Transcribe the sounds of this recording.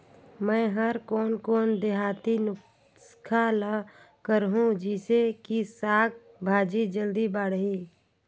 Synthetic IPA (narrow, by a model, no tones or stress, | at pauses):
mɛ̃ːɦəɾkɔːnkɔːnd̪eɦaːt̪inʊ | skʰalə | kəɾɦũd͡ʒiːsekisaːɡ̚ | bʱaːd͡ʒid͡ʒəld̪ibaːɽɦiː